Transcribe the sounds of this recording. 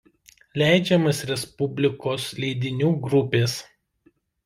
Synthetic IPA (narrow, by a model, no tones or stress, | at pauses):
lʲæˑɪd͡ʒʲɛmɐsɾʲɛspʊbʲlʲɪkoːslʲɛɪd̪ʲɪnʲuːɡɾʊpʲeːs